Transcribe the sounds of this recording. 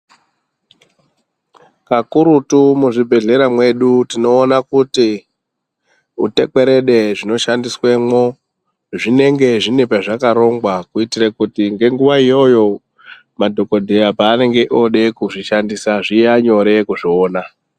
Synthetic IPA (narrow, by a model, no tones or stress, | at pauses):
kakuɾutumuʐibʱe̞ɮe̞ɾamwe̞ɗutino̞ːnakuti | ute̞ke̞ɾe̞ɗe̞ʐino̞ʃandiswe̞mo̞ | ʐine̞ŋɡe̞ʐinepaʐakaɾo̞ŋɡwakuitirakutiŋɡe̞ŋɡuʋaijo̞jo̞ | madʱo̞ko̞dʱejapaːne̞ŋɡe̞ʔo̞ɗe̞kuʐiʃandisaʐiaɲo̞ɾe̞kuʐioːna